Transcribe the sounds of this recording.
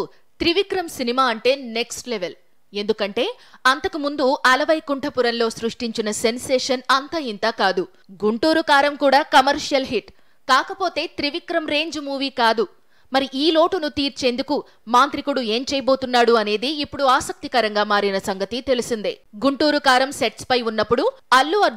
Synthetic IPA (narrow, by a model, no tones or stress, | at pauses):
t̪ɾiʋikɾɐmsinimaːɐɳʈe̞ːne̞ksʈleʋel | e̞nd̪ukɐɳʈe̞ː | ɐnt̪ɐkumund̪uʔɐlɐʋɐjkuɳʈʰɐpuɾɐnlo̞ːsɾuʂʈiɲt͡ʃinɐse̞nseːʂɐnɐnt̪ɐːint̪aːkaːd̪u | ɡuɳʈuːɾukaːɾɐmkuːɽaːkɐmɐɾʂjɐlɦiʈ | kaːkɐpo̞ːt̪e̞ːt̪ɾiʋikɾɐmɾe̞ːɲd͡ʒmuːʋiːkaːd̪u | mɐɾiʔiːlo̞ːʈunut̪iːɾt͡ʃe̞ːnd̪uku | maːnt̪ɾikuɽue̞ːmt͡ʃɛːjɐbo̞ːt̪unːaːɽuɐne̞ːd̪iipːuɽuaːsɐk̚t̪ikɐɾɐŋɡaːmaːɾinɐsɐŋɡɐt̪it̪e̞lisind̪iɡuɳʈuːɾukaːɾɐmseʈspɐjunːɐpːuɽuɐlːuɐ